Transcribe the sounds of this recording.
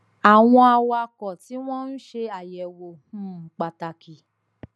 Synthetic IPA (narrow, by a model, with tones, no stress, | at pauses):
a˨w̃ɔ̃˧a˧wa˧kɔ˨ti˨˦w̃ɔ̃˦n̩˦ʃe˧a˨jɛ˨wo˨hũ˦˨k͡pa˨ta˨ki˨